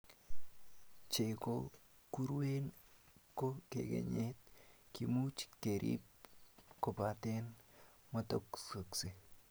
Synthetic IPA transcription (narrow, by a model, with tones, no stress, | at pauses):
t͡ʃe˨ko | ku˦ɾwe˦nko˦kḛ˨ɡḛ˨ɲetkimu˦t͡ʃke˨ɾʔḭp̚ko˨pa˨te˦n | mo˦to˦kso˨kse˨